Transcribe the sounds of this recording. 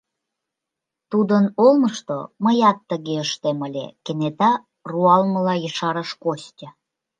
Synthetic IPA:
t̪ud̪ənolməʃt̪o̰məjɑt̪ːəɣeəʃt̪eməlʲḛkenet̪ɑ | ruɑlməlɑjəʃɑɾəʃkosʲtʲə

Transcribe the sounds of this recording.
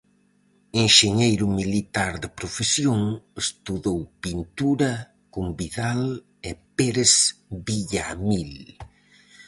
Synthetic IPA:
eŋʃeɲejɾʊmilit̪aɾðepɾofesjoŋest̪uðowpint̪uɾɐ | kombiðal | ɛpeɾesβiʎamil

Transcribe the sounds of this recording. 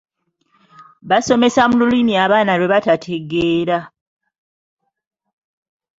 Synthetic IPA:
βaso̞me̞samululimiaβaːnaɾwe̞βatatʰe̞ɡe̞ːɾa

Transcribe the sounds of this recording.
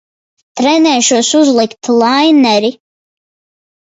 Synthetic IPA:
t̪ɾɛnɛːʃusuzlˠikt̪lˠajnɛɾi

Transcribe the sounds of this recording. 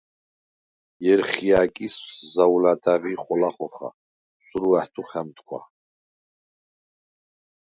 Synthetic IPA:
jɛɾχiakʼiszawlad̪aʁiχɔlaχɔχa̰ | suɾuaht̪ʰuχɛmt̪ʰkʷʰwa̰

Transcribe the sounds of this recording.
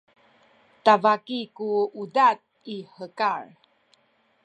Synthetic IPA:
tavakikuudat̚ | ihəkaɹ

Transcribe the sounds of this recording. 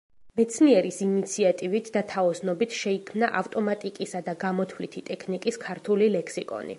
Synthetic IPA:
mɛt̪sʰniɛɾisinit̪sʰiat̪ʼivit̪ʰd̪at̪ʰaɔsnɔbit̪ʰʃɛikʰmnaʔaft̪ʼɔmat̪ʼikʼisad̪aɡamɔt̪ʰvlit̪ʰit̪ʼɛkʰnikʼiskʰaɾt̪ʰulilɛkʰsikʼɔ̰nḭ

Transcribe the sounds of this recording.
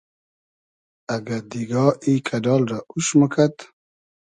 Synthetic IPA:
aɡad̪iɡɑikʰadɑːlɾauʃməkʰat̪

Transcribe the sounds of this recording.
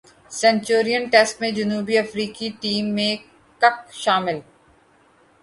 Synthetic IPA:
sɛ̃nt͡ʃoːɾijənʈɛsʈmẽd͡ʒɐnuːbiɐfɾiːkiʈiːmːẽ | kɐk̚ʃaːmɪl

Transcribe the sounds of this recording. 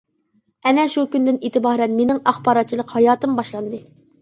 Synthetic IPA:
ɛnɛʃukʲynd̪ɪnet̪ɨbɑːɦɾɛnmenɪŋɑχbɑːɾɑt̪̚t͡ʃʰilˠəqhɑjɑːt̪ɨmbɑʃlˠɑnd̪ɨ

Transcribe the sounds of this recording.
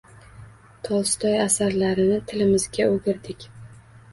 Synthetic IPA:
t̪ʰɒlˠst̪ʰɒjasaɾlaɾɪnɪt̪ʰɪlɪmɪzɡʲaoɡʲɪɾd̪ɪkʲ

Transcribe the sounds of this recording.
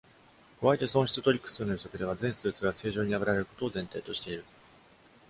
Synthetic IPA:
koβait̪e̞sõɕi̥t͡sɨt̪o̞ɾʲikːɯ̥sɨːnojɯsokɯd̪e̞βazẽɰ̃sɨːt͡sɨɡase̞ːʑo̞ːɲ̟iaβɯɾaɾe̞ɾɯ̟ko̞̥t̪o̞ːzẽnt̪e̞ːt̪o̞ɕi̥t̪e̞iɾɯ̟

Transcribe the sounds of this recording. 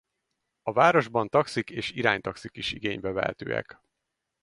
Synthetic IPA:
ɒvaːɾo̞ʒbɒnt̪ɒksikeːʃiɾaːɲt̪ɒksikiʃiɡeːɲbɛvɛɦɛ̰t̪ø̰ːɛ̰k

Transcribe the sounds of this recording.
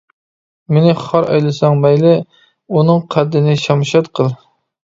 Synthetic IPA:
mɪnɪχɑɾɑ̰jlˠɨsɑŋmɛjlɪ | unɨŋqʰæd̪ːɪnɪʃɑmʃɑt̪qʰəlˠ

